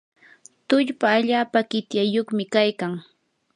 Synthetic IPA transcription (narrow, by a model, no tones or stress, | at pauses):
t̪ʊʎpaːʎaːpaɢɪt̪jajoχmɪkajkaŋ